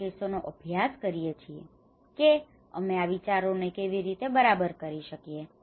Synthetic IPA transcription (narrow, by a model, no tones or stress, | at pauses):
esonoʔəbʱjaskəɾijet͡ʃʰiḛ | ke | ə̰meaʋit͡ʃaɾonekeʋiɾit̪ebəɾabəɾkəɾiʃəkije